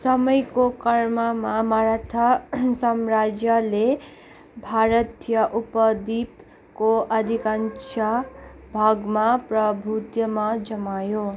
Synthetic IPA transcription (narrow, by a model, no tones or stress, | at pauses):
sʌmʌjkokʌrmʌmamaɾat̪ʰʌsʌmrad͡zjʌle | bʱaɾʌt̪jʌʔupʌd̪ip | koʔʌd̪ʱikansʰa | bʱaɡmaprʌbʱut̪jʌmad͡zʌmajo